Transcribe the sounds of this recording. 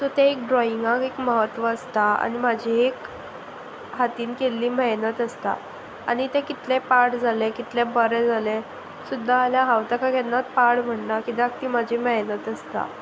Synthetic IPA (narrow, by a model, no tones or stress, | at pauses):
t̪ɔt̪ẽek̚ɖɾɔiŋɡakekməɦət̪ːʋəːst̪aa̰nimad͡ʑʱiek | ɦat̪iːnkelːiːmɛɦnət̪əst̪a̰ | a̰ñit̪ẽkit̪lepaʈd͡zalekit̪lebəɾed͡zale | sud̪ʱːaːljaɦawt̪akʰakɛnːat̪̚paɽm̤əɳnakid̪ak̚t̪iːmad͡ʑʱimɛɦnət̪əst̪a̰